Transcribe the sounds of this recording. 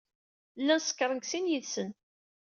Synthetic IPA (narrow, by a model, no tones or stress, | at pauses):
lːænsə̥kːɾˤənɡsinjəðsən